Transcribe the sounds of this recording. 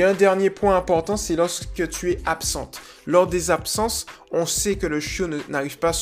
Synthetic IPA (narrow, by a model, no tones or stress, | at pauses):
ɛ̃d̪ɛʁnjepwɛ̃ɛ̃pɔʁt̪ɑ̃sɛlɔʁskət̪yɛapsɑ̰̃t̪ | lɔʁd̪ezapsɑ̃sɔ̃sɛkələʃjonnaʁivpa